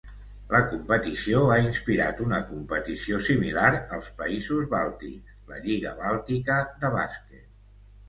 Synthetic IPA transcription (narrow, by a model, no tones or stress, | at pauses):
ləkumpət̪isioainspiɾa̰t̪unəkumpət̪isiosimilaɾəlˠspəizuzβalˠt̪ḭ | ləʎiɣə̰βalˠt̪ikəðəβa̰sket̪